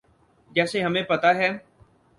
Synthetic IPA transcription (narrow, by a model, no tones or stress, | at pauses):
d͡ʒɛːseɦɐmẽpɐt̪aɦɛː